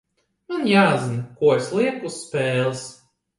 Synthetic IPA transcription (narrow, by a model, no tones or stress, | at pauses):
manjaːzinkuɔeslˠiɛkusːpʲɛːlˠs